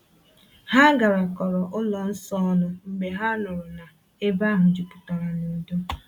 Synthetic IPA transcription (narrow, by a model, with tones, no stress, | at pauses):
ha˦ɡa˨ɾa˨kɔ˨ɾɔ˨ʔʊ˦lɔ˨n̩˦sɔ˦nʊ˦m̩˨ɡ͡be˨ɦa˦nʊ˨ɾʊ˨na˨ | e˦ba˦ɦʊ˨d͡ʒi˨pʊ̥˨tɔ˨ɾa˨nu˨do˦